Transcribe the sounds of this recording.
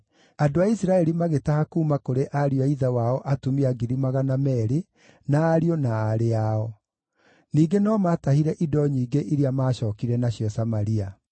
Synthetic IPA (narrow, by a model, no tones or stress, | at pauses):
adoaisiɾaɛɾimaɣetahakuːmakoɾeʔaɾijɔaiðawaɔʔatumiaɡiɾimaɣanamɛɾe | naːɾiɔnaːɾeaɔ | niːɡenɔmatahiɾɛʔidɔɲiːɡeʔiɾiamaːɕɔːkiɾɛnaɕjɔsamaɾia